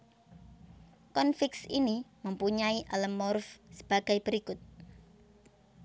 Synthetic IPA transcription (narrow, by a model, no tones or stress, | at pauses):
kɔnfɪksiniməmpuɲaiʔaləmːɔrfsə̥b̥aɡ̥ajb̥əɾikʊt̪̚